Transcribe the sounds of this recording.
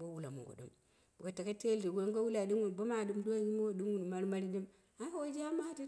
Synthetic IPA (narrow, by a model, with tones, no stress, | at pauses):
bo˦wu˦la̰˨mṵ˨ɡo̰˨dṵ˦m | bu˨ka˨ta˨ka˦te˦ldi˨ɡŋɡo˦wu˦la˨di˦ŋu˨n˨bo˦ma˨du˦mdo˦˨ɲi˦m˦o˨du˦ŋu˦n˨ma˦ɾma˦ɾi˦di˦m | a˦wo˦d͡ʒi˦a˦ma˦ti˦